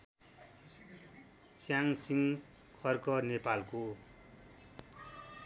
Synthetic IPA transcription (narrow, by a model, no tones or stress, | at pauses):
t͡sjaŋsiŋ | kʰʌrkʌnepalko